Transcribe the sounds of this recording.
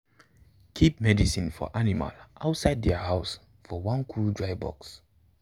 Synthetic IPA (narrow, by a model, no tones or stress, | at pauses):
kʰip̚mɛdisĩnfɔ̰ʔanima̰lʔaʊtsaɪd̚dɛahaʊs | fɔwãnkʰuldɹaɪbɔ̰ks